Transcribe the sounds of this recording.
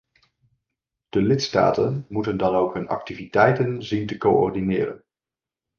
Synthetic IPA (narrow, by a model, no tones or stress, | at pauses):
d̥əlɪtsta̰ːtənmutəndɑnowkɦɵnɑ̰k̚tivitɛjtənzintəkoɔ̰ɹdinɪːrə̰n